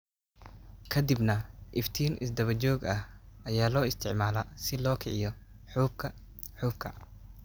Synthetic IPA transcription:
kʰɐd̪ɪbnɐʔɪft̪ʰiːnʔɪs̬d̪ɐβɐt͡ʃɔːɡɐhʔɐjaːlɔːɪst̪ʰɪʕmaːlɐsɪlɔːkʰɛʕɪjɔ | ħuːbkʰɐ | ħuːb̚kʰɐ

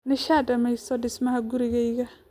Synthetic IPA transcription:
nɪʃaːdɐmɛjsɔdɪsmɐhɐɡuɾɪɣɛjɣɐ

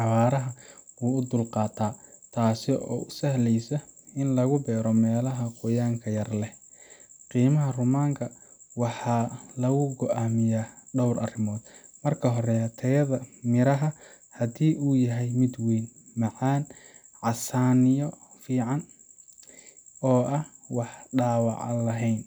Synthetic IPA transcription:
ʕɑwaːɾɐɦɐwuːʊd̪ʊlqɑːt̪ʰaːt̪ʰaːsɪʔɔ̰ːʊsɐhlɛjsɐɪnlɐɣʊbɛːɾɔmɛːlɐɦɐqʊjaːŋkʰɐjɐrlɛ | qiːmɐɦɐrʊmaːŋkʰɐ | wɑħɑːlɐɣʊɡɔʔaːmɪjaːɖɔwrʔɐ̰rɪmɔːd̪̥mɐrkʰɐɦɔɾɛt̪ʰɐjɐðɐmɪɾɐɦɐ | hɐd̪iːʔuːjɐɦɛjmɪd̪wiːnmɑʕɑːn | ʕɑsaːnɪjɔ | fiːʕɑn | ɔːʔɐwɑħɖaːwɑ̰ʕɑ̰lɐɦɛjn

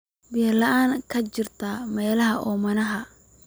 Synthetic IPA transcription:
bijlɐaːŋkʰɐt͡ʃɪrt̪ʰɐmɛːlɐɦɐʔɔːmɐnɐɦɐ

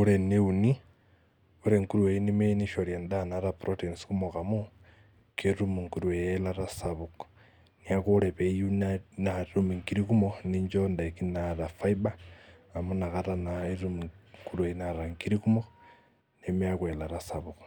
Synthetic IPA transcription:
uɾeneuni | uɾeŋkuɾuweinimeniʃoɾjandanaɾapɾotensi̥kumokamu | keɾumuŋkuɾuwejelaɾasaβuko̥ | niakoɾeβejunaɾumiŋkiɾikumoniɲd͡ʒondaikinaɾafaiba | amunakaɾanaiɾumuŋkulueinaɾaŋkiɾikumo | nemeakwelaɾasaβuko̥

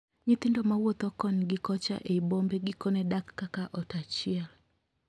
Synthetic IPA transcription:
ɲɪt̪ɪndɔmawɔt̪ɔkɔnɡɪkɔt͡ʃa̰ʔeibombɛɡɪkɔnɛdakːakaʔɔtat͡ʃɪal

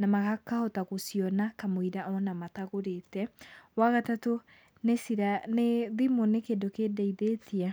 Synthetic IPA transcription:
namaɣakahɔtaɣosiɔnakamoiɾaʔɔnamataɣoɾetɛwaɣatato | nesiɾaneðimonekedokedaiðetʰia

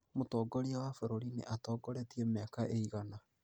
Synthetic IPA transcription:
motɔːɡɔɾiawafeɾoɾinḛʔatɔːɡɔɾɛtiɛmakaʔeiɣana

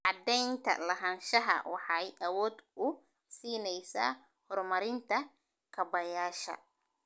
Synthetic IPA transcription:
ʕɑd̪ɛjnt̪ʰɐ̰lɐɦɐːnʃɐɦɐ̰wɑħɑjʔɐwɔːd̪ʊ | siːnɛjsa̰ː | hɔrmɐɾɪnt̪ʰɐ | kʰɐbɐjaːʃɐ̰

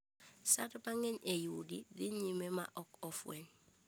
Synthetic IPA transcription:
satopaŋeɲejudḭdiɲimema̰ʔɔkofweɲ

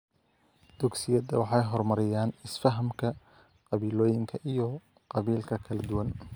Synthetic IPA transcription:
d̪̥ʊɡsɪjɐd̪ɐwɑħɑjɦɔrmɐɾɪjaːnɪsfɐɦɐmkʰɐ | qɑβiːlɔːjɪŋkʰɐʔijɔ | qɑβiːlkʰɐkʰɐlɛd̪ʊwɐn

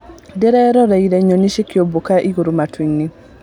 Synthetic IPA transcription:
dɛɾɛɾɔɾaiɾeɲoniʃekiobukaʔiɡuɾumatwiŋːi

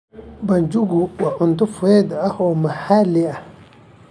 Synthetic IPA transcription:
band͡ʒuɡuwaʔunt̪ufued̪ahomahalia

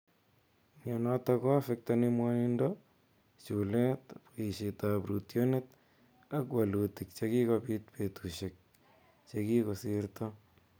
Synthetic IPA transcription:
ɲɔnɔtakɔafɛk̚tanimwanindɔ | t͡ʃulɛtapoiʃitapɾutjonet | akwalutik̚t͡ʃekikopit̪̚petuʃek̚ | t͡ʃekikosɪrtɔ

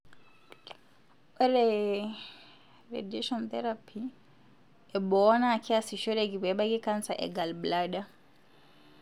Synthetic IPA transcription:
ɔɾɛ | ɾḛdiʃɔnt̪ɛɾapʰi | ɛbɔnakʰiasiʃɔɾeɡibɛɓaɡikansaʔɛ̰ɡalblaɗa

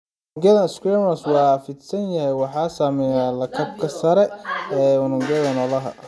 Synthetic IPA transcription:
ŋɡɐðɐskɾɛmɐswɑːfɪd̪sɐnjɐhɛjwɑħɑːsaːmɛːnaːlɐkʰɐb̚kʰɐsɐɾɛɛːwʊnʊŋɡɛðɐnɔlɐɦɐ̰

